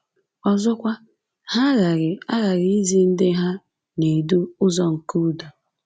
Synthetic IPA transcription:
ɔ˨zɔ˦kʷa˦ | ha˦ɣa˨ɾɪ˨a˦ɣa˨ɾi˨˦i˦zi˦n̩˦dɪ˦ɦa˦ | ne˨du˦ʊ˦zɔ˦ŋ̩˨ku˦dɔ˨

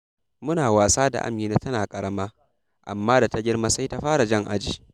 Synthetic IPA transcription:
mʊ˦naː˨waː˨saː˦da̰˨ʔa̰˦mɲiː˦na˦tɐ˦naː˨kʼɐ˨ɽɐ˦maː˦ | ʔa̰˨mːaː˦da˨ta˦ɡʲɪ˦rma˦sa˦jta˦ɸaː˦ɾa˨d͡ʒɐ˦ŋʔa̰˦d͡ʒiː˨

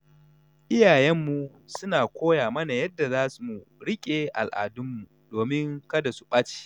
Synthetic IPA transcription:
ʔɪ˦jaː˨jɛ˦mːu˨ | sʊ˦naː˨kʷoː˦jaː˨mɐ˦na˨jɐ˦dːa˨zaː˦su˨mu˨ɽɪ˦kʲʼeː˨ʔa̰˨lʔa̰ː˨dʊ˦mːu˨ | d̥oː˨mɪ˦ŋkɐ˦da˨su̥˦ɓaː˦t͡ʃi̥ː˦˨

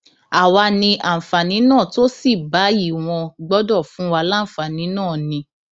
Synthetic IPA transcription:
a˨wa˧nĩ˧ʔã˨fa˨nĩ˨˦nãː˦˨to˦si˦˨ba˨˦ji˦˨w̃ɔ̃˧ɡ͡bɔ˦dɔ˦˨fũ˨˦wa˧lã˦˨fa˨nĩ˨˦nãː˦˨nĩ˧

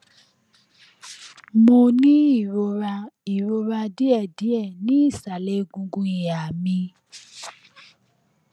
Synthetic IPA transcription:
mo˧nĩ˦i˦˨ɾo˧ɾa˧i˨ɾo˧ɾa˧di˦ɛ˦˨di˨˦ɛ˦˨nĩ˦i˦˨sa˨le˨˦ɡũ˧ɡũ˧i˨ja˨mĩ˧

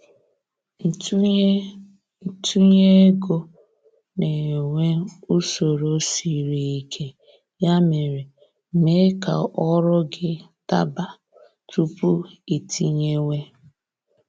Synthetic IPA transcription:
tʰu˦ɲe˦e˦ɡo˦ | ne˨ŋʷe˦u˦so˨ɾo˦si˨ɾi˨i˨kʰe˦ | ja˦me˨ɾe˨ | me˦ka̰˨ʔɔ˦ɾʊ˦ɡɪ˦ta̰˦ba˨ | tu˦pu˦i˨tʰi˦ɲe˦ŋʷe˦

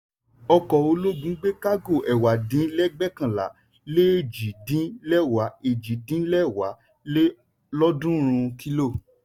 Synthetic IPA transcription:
ɔ˧kɔ˨o˧lo˦ɡũ˨˦ɡ͡be˦ka˦ɡo˦˨ʔɛ˨wa˨dĩ˨˦lɛ˦ɡ͡bɛ˦kã˦˨la̰˨˦ | le˦e˦˨d͡ʒi˨˦dĩ˨˦lɛ˦˨wa˨˦e˨d͡ʒi˨˦dĩ˦lɛ˦˨wa˨˦ | le˦ | lɔ˦dũ˦ɾ̃ũ˧ki˦lo˦˨

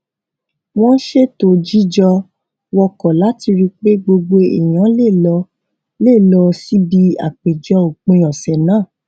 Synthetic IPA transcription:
w̃ɔ̃˦ʃe˦to˦˨d͡ʒi˦d͡ʒɔ˧ | wɔ˧kɔ˨la˨˦ti˧ɾi˧k͡pe˦ɡ͡bo˧ɡ͡bo˧ḭ˨j̃ã˨˦le˦˨lɔ˧ | le˦˨lɔ˧si˦bi˧a̰˨k͡pe˨d͡ʒɔ˧o˨k͡pẽ˧j̃ɔ̃˨sɛ˨nãː˦˨

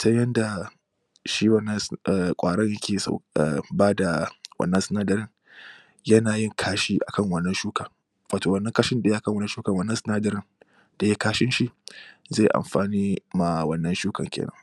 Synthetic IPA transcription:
tɐ˦jɐ˦nda˨ | ʃi˦wɐ˦˨nːɐ˦skʷʼaː˨ɽɐ˦ɲjɐ˦kʲʰeː˨sa̰˨baː˦da˨wɐ̰˨nːɐ˦nsɪ˦naː˦dɐ˨ɾɪ˦ŋ | jɐ˦naː˨jɪ˦˨ŋkʰaː˦ʃiː˦ʔa˨kɐ˦˨ŋwɐ˨nːɐ˦nʃuː˦ka˨ | waː˨toː˨wɐ˦nːɐ˦ŋkaː˦ʃɪ˦nda˨jʔa˨kɐ˦ŋwɐ˦nː˦ʃuː˦kɐ˨wɐ˦nːɐ˦sɪ˦naː˦dɐ˨ɾɪ˦n | d̥a˨je˦kaː˦ʃɪ˦nʃi˨ze˦˨ʔa̰˨mɸaː˨niː˦maː˨wɐ˦nːɐ˦nʃuː˦kɐ̰˨ŋkʲʰḛː˨nɐ̰˦ŋ

